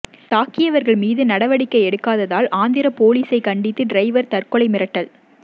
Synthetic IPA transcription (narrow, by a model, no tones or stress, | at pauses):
t̪aːkɪjɐʋɐɾɣɐɭmiːðɯnɐɽɐʋɐɽɪkːɐɪɛɽɯkːaːðɐðaːlʔaːnd̪ɪɾɐpoːliːsɐɪkɐɳɖɪt̪ːɯɖɾɐɪʋɐɾt̪ɐrkɔɭɐɪmɪɾɐʈːɐl